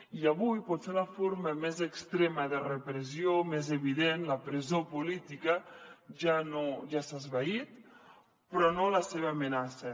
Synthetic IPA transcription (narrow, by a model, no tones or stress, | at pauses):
iəβujpɔt̪seunəfoɾməmezəkst̪ɾeməðərəpɾəziomezəβiðenləpɾəzopulit̪ikəʒanoʒasazβait̪ | pɾɔnoləseβəːmənasə